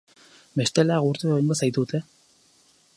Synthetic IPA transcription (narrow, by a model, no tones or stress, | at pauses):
mest̪elaɣuɾt̪uojnɡosajt̪ut̪ʰe